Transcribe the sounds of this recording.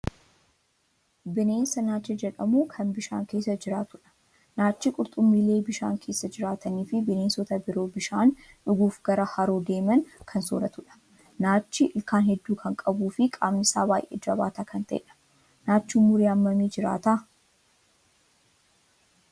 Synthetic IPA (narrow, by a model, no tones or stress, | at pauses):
bɪne̞ːnsɐnaːt͡ʃːɐd͡ʒɛᶑɐmuːkʰɐnbɪʃa̰ːŋke̞ːsːɐd͡ʒɪɾaːt̪ʊᶑɐ̥ | naːt͡ʃːɪkʼʊɾt̪ʼʊmːiːle̞ːbɪʃa̰ːŋkʰe̞ːsːɐd͡ʒɪɾaːt̪ʰɐniːfɪbɪne̞ːnsɔt̪ɐbɪɾo̞ːbɪʃaːn | ᶑʊɡuːfɡɐɾɐhɐɾoːd̪e̞ːmɐnkʰɐnso̰ːɾɐt̪ʊᶑɐ̥ | naːt͡ʃːɪʔɪlkaːnhɛd̪ːuːkʰɐŋkʼɐbuːfɪkʼaːmnɪsaːbaːjʔḛːd͡ʒɐba̰ːt̪aːkʰɐnt̪ʰɐʔḛᶑɐ̥ | naːt͡ʃːuːmʊɾeːɐmːɐmiːd͡ʒɪɾa̰ːt̪aː